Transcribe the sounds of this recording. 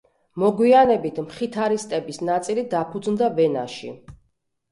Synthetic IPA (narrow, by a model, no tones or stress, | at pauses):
mɔɡwianɛbit̪ʰmχit̪ʰaɾist̪ʼɛbisnat̪sʼilid̪apʰud̪znd̪avɛnaʃḭ